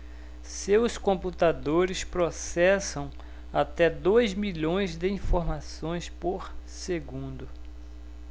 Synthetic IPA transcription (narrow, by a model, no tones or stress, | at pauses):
sewskõput̪ad̪oɾɪspɾosɛsɐ̃w̃ | at̪ɛd̪ojzmiʎõj̃zd̪ɪĩfoɾmasõj̃spoɾseɡũnd̪ʊ